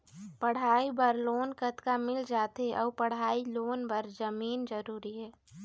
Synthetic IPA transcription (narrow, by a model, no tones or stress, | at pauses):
pɐɽ̤aːibəɾloːnkət̪kamɪld͡ʒaːt̪eʔɔːpəɽ̤aːiloːnbəɾd͡ʒəmiːnd͡ʒəɾuːɾiɦɛː